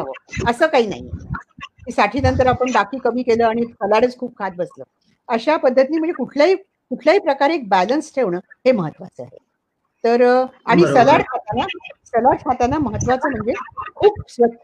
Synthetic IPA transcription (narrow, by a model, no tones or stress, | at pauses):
aʋə̰əsəːkaɦiːna̰ɦi | kiːsaʈʰiːnənt̪əɾapəɳɖakʰiːkəmiːkeləːaɽ̃isəlaɽət͡skʰuːp̚kʰat̪̚bəslə̰ː | əɕapəd̪ʱːət̪inim̤əɳd͡zekuʈʰljaɦiː | kuʈʰljaɦiːpɾəkaɾek̚bælənsʈʰeʋɳəheməɦət̪ːʋa̰t͡sə̰ːɦḛ | t̪əɾaɽ̃isəlaɽkʰat̪anasəlaɽkʰat̪anaməɦət̪ːʋat͡səːm̤əɳd͡zekʰuːb̚sʋə